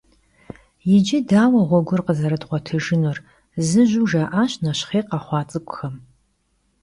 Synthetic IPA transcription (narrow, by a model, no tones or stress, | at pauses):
jɪd͡ʒɪdaːwɐʁʷɔɡʷʊrqəzɐɾɨdʁʷɔtʰɨʒɨnor | zɨʒuʒaːʔaɕnɐɕχeːqɑχʷɑːt͡sʼɨkʷʼʊxɐm